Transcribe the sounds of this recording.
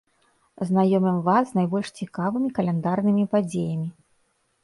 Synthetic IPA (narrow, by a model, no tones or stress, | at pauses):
znajɔmʲimvasnajbɔlʲʂt͡sʲikavɨmʲikɐlʲɛnd̪arnɨmʲipad͡zʲejɐmʲi